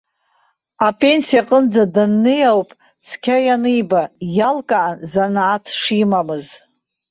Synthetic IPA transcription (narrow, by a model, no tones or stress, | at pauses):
apʼe̞nsijaqʼənd͡zadɨnːɨjawpʼ | t͡sʰkʲʰajanɨjbajalkʼaːnzanaːtʰʂimamɨz